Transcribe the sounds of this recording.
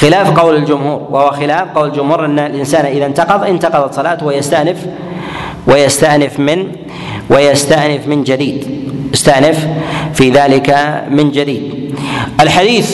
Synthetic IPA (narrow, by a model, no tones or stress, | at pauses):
xɪlaːfqɑwlɪld͡ʒʊmhuːɾwahʊwaxɪlaːfqɑwlɪld͡ʒʊmhuːɾʔanːalʔɪnsaːnʔɪðant̪ɑqɑðˤʔɪnt̪ɑqɑðˤɑt̪sˤːɑlaːt̪wjast̪aʕnɪf | wajast̪aʕnɪfmɪn | wajast̪aʕnɪfmɪnd͡ʒad̪iːd̪jast̪aʕnɪffiðaːlɪkamɪnd͡ʒad̪iːd̪ʔalħad̪iːθ